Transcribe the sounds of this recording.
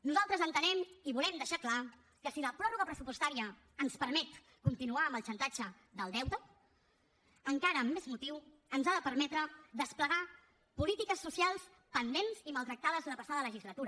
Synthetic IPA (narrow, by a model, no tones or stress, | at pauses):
nuzalˠt̪ɾəzənt̪ənɛmiβulɛmd̪əʃakla | kəsiləpɾɔruɣəpɾəsupust̪aɾiəː | nspəɾmɛt̪ | kunt̪inuaəməlˠt͡ʃənt̪ad͡ʒə | ðəlˠd̪ɛwt̪ə | əŋkaɾəːmːezmut̪iw | ənzaðəpəɾmɛt̪ɾəd̪əspləɣa | pulit̪ikəsːusialˠs | pənd̪enziməlˠt̪ɾək̚t̪að̞əzðunəpəsaðələʒizlət̪uɾə